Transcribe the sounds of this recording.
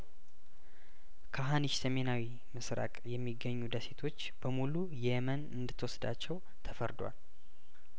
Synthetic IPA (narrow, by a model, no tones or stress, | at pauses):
kʰaɦaniʃsəme̞nawi | mɨsɾa̰kʼjɛmːiɡːəɲːud̪əse̞t̪ʰo̞t͡ʃːb̥əmulujɛjɛmənɨnd̪ɨt̪ʰːwɔsd̪a̰t͡ʃːɛw | t̪ʰəfəɾd̪wa̰l